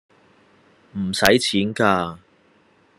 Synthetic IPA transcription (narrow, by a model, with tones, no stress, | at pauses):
m̩˨˩sɐ˨˥jt͡sʰiː˨˥nkaː˧